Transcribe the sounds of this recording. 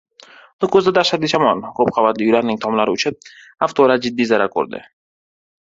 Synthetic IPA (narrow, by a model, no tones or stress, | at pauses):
d̪ʊkʰɵzd̪ad̪aɾʃat̪̚d̪ɪʃamɒnkop̚qʰɑvat̪lɪjʊlaɾnɪŋt̪ʰɒmlaɾɪʊt͡ʃʰɪp̚ | aft̪ʰɒlaɾd͡ʒɪd̪ːijzaɾakʰɵ̰ɾd̪ɪ̰